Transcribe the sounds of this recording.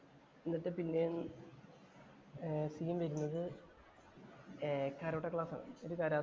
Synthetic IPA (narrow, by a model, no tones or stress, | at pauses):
enːɐʈ̪ːepinːejuɳ | sijɐmʋɐɾunːɐðɨ | kaːɾoːʈːɐkɭaːsa̰ːɳɨ̰oɾukaːɾaː